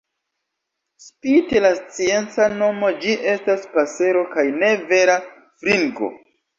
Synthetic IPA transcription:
spitelast͡sie̞nt͡sano̞mo̞d͡ʒiʔe̞staspase̞ɾo̞kajne̞ve̞ɾa | fɾiŋɡo̞̰

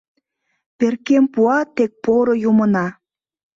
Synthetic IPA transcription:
perkempuɑt̪ek̚poɾojumənɑ

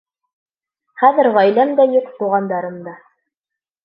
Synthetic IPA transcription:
χæðɘ̆ɾʁɑjlæmd̪æjuqt̪uʁɑnd̪ɑɾɤ̆md̪ɑ

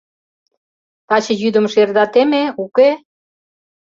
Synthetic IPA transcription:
t̪ɑt͡ɕə̆jyd̪ə̆mʃerd̪ɑt̪emeuke

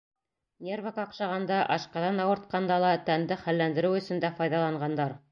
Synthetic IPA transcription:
nʲervɑkɑqʃɑʁɑnd̪ɑʔɑʃqɑðɑnɑwɤ̆ɾt̪̚qɑnd̪ɑlˠɑt̪ænd̪ɘχælːænd̪ɘ̆ɾɘwɵ̆sɵ̆nd̪æfɑjðɑlˠɑɴɢɑnd̪ɑɾ

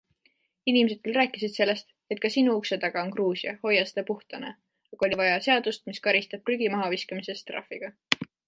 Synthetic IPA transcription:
inimese̞d̪̚kylrɾæːkːˑisid̪̥se̞lːe̞st̪ | et̪̚ˑkɑsinuukse̞t̪ɑɡ̥ɑo̞nkruːsiɑho̞jɑst̪epuht̪ɑne | ɑɡ̥o̞lʲivɑjɑse̞ɑd̪̥ust̪miskɑɾist̪ɑb̥̚ryɡ̥imɑɦɑviskɑmise̞st̪rɑ̰fːiɡ̥ɑ

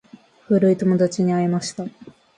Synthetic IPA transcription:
ɸɯ̟ɾɯ̟it̪o̞mo̞d̪at͡ɕiɲ̟iaimaɕi̥t̪a

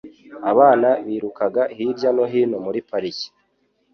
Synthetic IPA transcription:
aβaːnaβiːɾukaɡahiɾɟano̞ɦiːnomuɾipaɾici̥

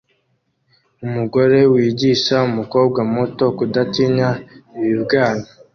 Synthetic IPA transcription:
umuɡo̞ɾe̞wiːɟiʃaumuko̞ːbɡamo̞to̞kudatiɲaiβiβɡaːno

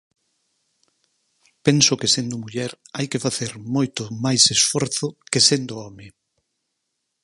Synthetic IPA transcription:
pensʊkesend̪ʊmuʎɛɾajkefaθeɾmɔjt̪ʊmajsesfɔɾθʊkesend̪ʊɔmɪ

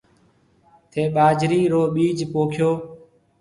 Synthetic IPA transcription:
t̪ʰeːɓaːd͡ʒɾiːɾoːɓiːd͡ʒpoːkʰjoː

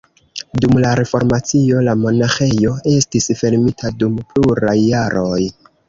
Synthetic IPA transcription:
dumlaɾe̞fo̞ɾmat͡sio̞lamo̞naxe̞jo̞e̞stisfe̞ɾmitʰadumpluɾajːaɾʔo̞j

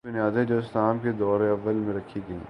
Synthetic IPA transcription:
bʊnijaːd̪ɛ̃d͡ʒoːɪslaːmked̪ɔːɾeɐʋːəlmẽɾɐkʰiɡɐɦḭ̃

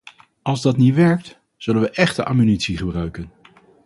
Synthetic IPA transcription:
ɑlˠzdɑtnitʋɛɹk̚t | z̥ɵlənʋəʔɛχtəʔa̰ːmynitsiχəbrœɥkən

